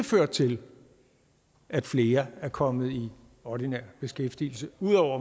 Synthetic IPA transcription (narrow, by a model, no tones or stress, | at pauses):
føɐ̰d̥̚t͡sʰe̝l | ʔæd̥fle̝ːɐæɐkʰɒ̽mð̞̩ˠi | ɒd̥inɛɐ̰b̥e̝sɡ̥efd̥ḭːl̩səuð̰ˠɒʊ̰ɐ